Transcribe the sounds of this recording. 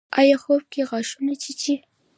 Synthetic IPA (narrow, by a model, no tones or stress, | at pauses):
ɑ̰jɑxob̚keɣɑʃunat͡ʃit͡ʃi